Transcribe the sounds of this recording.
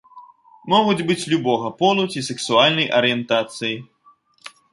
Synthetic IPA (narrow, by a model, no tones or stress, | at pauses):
mɔɣud͡zʲbɨt͡sʲlʲubɔɣɐpɔlˠut͡sʲisɛksualʲnɐjʔɐɾɨjɛnt̪at̪sɨji